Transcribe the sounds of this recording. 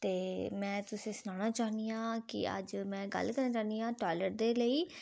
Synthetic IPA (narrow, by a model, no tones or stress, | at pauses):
t̪eːmɛ̃ːt̪ʊsĩːsʊnaːnaːt͡ʃaːnd̪iːãːkɪ̰ə̰d͡ʒmɛ̃ːɡə̰lkəɾnaːt͡ʃaːnd̪iːãːʈɔːləɾ̚d̪eːləiː